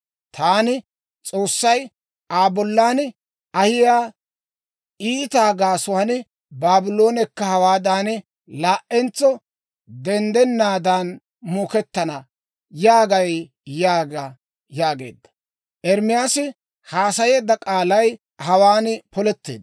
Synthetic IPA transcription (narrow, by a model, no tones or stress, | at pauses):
t̪ʰaːnɪ | t͡sʼo̞ːsːɐj | aːbɔlːaːn | ɐhɪjaː | iːt̪aːɡaːsʊanɪ | baːbɪlo̞ːnɛkːɐhɐwaːd̪aːnɪ | laːʔɛnt͡sːɔ | d̪ɛnd̪ɛnːaːd̪aːn | moːkɛt̪ːɐnɐ | jaːɡɐj | jaːɡa | jaːɡe̞̰ːd̪ːɐ̥ | ʔɛɾmɪjaːsɪ | haːsɐjeːd̪ːɐkʼaːlɐj | hɐwaːnpɔlɛt̪ːe̞̰ːd̪